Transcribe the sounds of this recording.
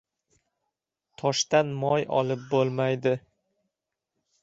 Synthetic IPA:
t̪ʰɒʃt̪anmɒjɒ̰lˠɪp̚bolˠmajd̪ɪ

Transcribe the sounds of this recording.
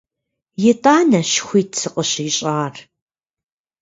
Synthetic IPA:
jɛtʼaːnɐɕxʷiːtʰsɨqʼəɕiɕʼaːr

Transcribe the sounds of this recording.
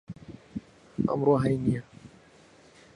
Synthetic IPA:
a̰mɾoɦajnia

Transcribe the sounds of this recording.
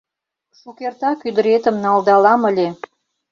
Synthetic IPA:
ʃukert̪ɑkyd̪ə̆ɾet̪ə̆mnɑld̪ɑlɑməlʲe

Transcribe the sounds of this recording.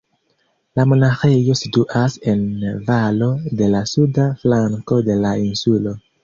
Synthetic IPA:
lamo̞naxe̞jo̞situʔase̞nvalo̞de̞lasudaflaŋko̞de̞lainsulo̞

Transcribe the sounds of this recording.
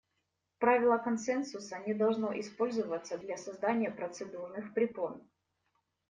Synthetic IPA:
pɾavʲɪlˠəkɐnsɛnsʊsənʲɪd̪ɐlˠʐnoʔɪspo̞lʲzɨvət̪sːəd̪lʲɐsɐzd̪anʲɪjəpɾət̪sɨd̪urnɨxpɾʲɪpon

